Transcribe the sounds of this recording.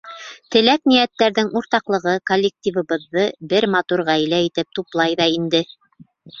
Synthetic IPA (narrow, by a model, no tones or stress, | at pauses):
t̪ɘ̆læknijæt̪ːæɾðɘŋʔuɾt̪ɑqlˠɤ̆ʁɤkolʲːek̚t̪ʲivɤ̆βɤ̆ðːɤbɘɾmɑt̪uɾʁæjlæit̪ɘp̚t̪uplˠɑjðɑind̪ɘ